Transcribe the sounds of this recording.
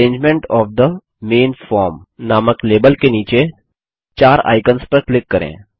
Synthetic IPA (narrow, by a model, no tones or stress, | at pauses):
ẽːɲd͡ʒmẽɳʈɔːfd̪ə | mẽːnfɔːɾmnaːməkleːbəlkeniːt͡ʃe | t͡ʃaːɾa̰ːɪkənspɐɾklɪkːɐɾḛ̃ː